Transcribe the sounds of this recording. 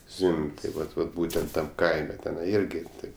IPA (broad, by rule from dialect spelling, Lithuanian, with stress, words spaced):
ˈzʲʋʲɪmʲpʲ tɐɪ ˈʋɐt ʋɐt ˈbuːtʲɛnt tɐm ˈkɐɪmʲɛ tʲɛˈnɐɪ ˈɪrʲɡʲɪ tɐɪp